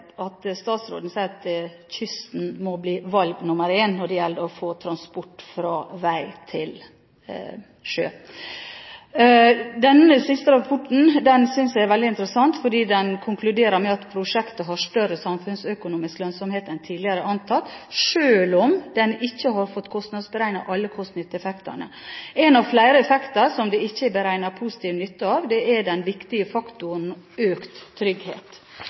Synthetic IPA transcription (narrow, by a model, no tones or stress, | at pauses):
ɑt̪st̪ɑːt̪sɾo̰ːd̪n̩sæɪɾɑt̪ | çʏst̪n̩mɔbliːʋɑlɡnʊməɾeːnːɔɖɛjɛld̪əɾɔfoːt̪ʰɾɑnspɔʈːfɾɑːʋæɪt̪ʰɪl | ʂø̰ː | d̪ɛnːəsɪst̪əɾɑpʰɔʈːɳ̩d̪ɛnsʏnsd̪æɪɾʋɛld̪ɪɪnt̪əɾəsɑnt̪fɔɖiːd̪ɛnkʰʊŋklʉd̪eːɾəɾmɛɑt̪pʰɾʊʂɛkt̪əɦɑʂt̪œɾəsɑmfʉnsœkʊnuːmɪsklœnsɔmheːt̪ɛnt̪ʰiːd̪lɪəɾəʔɑnt̪ʰɑt̪ːʂøːlɔmd̪ɛnɪçːəɦɑɾfɔt̪ːkʰɔst̪nɑd̪sbəɾæɪnɑ̰ʔɑlːəkʰɔst̪nʏt̪ːɛfɛkt̪ə̰ɳə̰ɛnɑʋflæɪɾəɛfɛkt̪əɾsɔmd̪ɛɪçːəbəɾæɪnɑɾpʰuːsɪ̥t̪ʰiːʋnʏt̪ːəɑːʋd̪ɛʔæɖɛnʋɪkt̪ɪəfɑkt̪ʊənøːkt̪ʰːɾʏɡhḛːt̪